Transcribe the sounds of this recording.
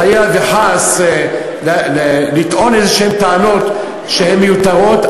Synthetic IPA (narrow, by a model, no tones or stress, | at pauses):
ajaveħas | llelit̪ʔo̞nezeʃemt̪eano̞t̪ | ʃehemːejut̪aʁo̞t̪